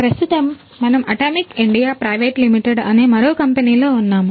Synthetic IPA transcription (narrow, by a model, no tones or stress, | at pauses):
pɾɐst̪ut̪ɐmː | ɐnɐmɐʈaːmikiɳɖijaːpɾɐjʋeːʈlimiʈeɖɐneːmɐɾoːkɐmpeniːlo̞ːunːaːmu